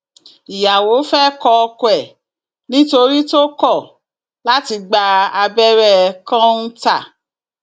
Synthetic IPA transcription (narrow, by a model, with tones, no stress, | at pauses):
i˨ja˨wo˨˦fɛ˦kɔ˧kwɛ˨ | nĩ˦to˧ɾi˦to˦kɔ˦˨ | la˦ti˧ɡ͡ba˧a˧bɛ˦ɾɛ˦˨˧kã˦n̩˦ta˦˨